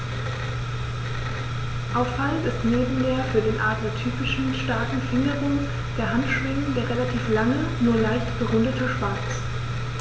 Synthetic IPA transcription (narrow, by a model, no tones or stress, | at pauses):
ʔaʊffalnɪstneːbm̩deːɐfyːɐdeːnʔaːɐtd̥eːɐtʰyːpɪʃn̩ʃtaɐtn̩fɪndəʁʊŋ | d̥eːɐɦantʃv̥ɪŋəndeːɐʁelatʰiːflaŋənuːɐlaɪçtb̥əʁʊndətʰəʃv̥aɐt͡s